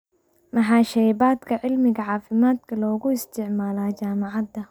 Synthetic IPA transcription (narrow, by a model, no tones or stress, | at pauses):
mɐħɑːʃɛjbaːd̪kʰɐʕɪlmɪɣɐʕɑːfɪmaːd̪kʰɐlɔːɣʊɪst̪ʰɪʕmaːlaːt͡ʃaːmɑʕɑd̪ɐ